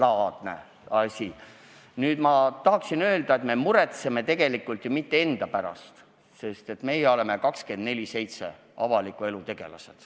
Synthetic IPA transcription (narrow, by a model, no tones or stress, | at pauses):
lɑːd̪̥nḛ | ɑsʲi | nyːd̪̥mɑt̪ɑɦɑksinø̞ːld̪ɑe̞t̪me̞muɾe̞t̪se̞me̞t̪e̞ɡ̥e̞likːˑult̪jomit̪ːeend̪̥ɑpæɾɑ̰st̪ | se̞st̪e̞t̪me̞jeo̞le̞me̞kɑkske̞nd̪̥ne̞lʲise̞jt̪se̞ | ɑvɑlikːˑue̞lut̪e̞ɡ̥e̞̰lɑ̰se̞̥d̪̥